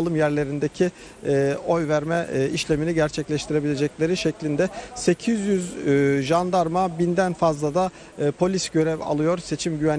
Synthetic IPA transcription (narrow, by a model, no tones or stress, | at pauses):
lˠɯmjæɾlʲe̞ɾind̪ecʰi | o̞jvæɾmɛiʃlʲeminiɟæɾt͡ʃʰɛclʲɛʃt̪ʰiɾe̞bilʲe̞d͡ʒɛclʲe̞ɾiʃɛclʲind̪ɛse̞cʰizjyzʒand̪aɾmabind̪ænfazlˠad̪aː | pʰo̞lʲisɟø̞ɾɛva̰lˠɯjo̞ɾse̞t͡ʃʰimɟyvæn